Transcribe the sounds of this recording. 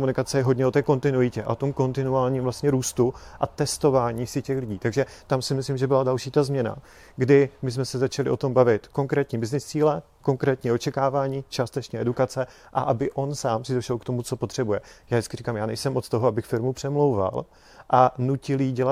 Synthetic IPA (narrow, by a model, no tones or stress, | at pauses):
omunɪkat͡sɛjɛɦo̞dɲɛo̞t̪ɛːko̞nt̪ɪnuɪcɛʔa̰ot̪o̞mko̞nt̪ɪnuaːlɲiːmvlast̪ɲɛɾuːst̪uʔat̪ɛst̪o̞vaːɲiːsɪcɛxlɪɟiːt̪aɡʒɛt̪amsɪmɪslimʒɛbɪladalʃiːt̪azmɲɛna̰ | ɡdɪmɪsmɛsɛzat͡ʃalɪ̰ʔo̞t̪o̞mbavɪt̪ko̞ŋkɾɛːt̪ɲiːbɪznɪst͡siːlɛ | ko̞ŋkɾɛːt̪ɲiːo̞t͡ʃɛkaːvaːɲiːt͡ʃaːst̪ɛt͡ʃɲɛɛdukat͡sɛ | ʔa̰ʔabɪʔo̞nsaːmsɪdo̞ʃɛlkt̪o̞mut͡so̞pot̪r̥ɛbujɛjaːjɪt͡skɪrikaːmjaːnɛjsɛmʔo̞t̪t̪oɦoabɪxfɪɾmupr̥ɛmlo̞wva̰l | ʔanucɪljiɟɛla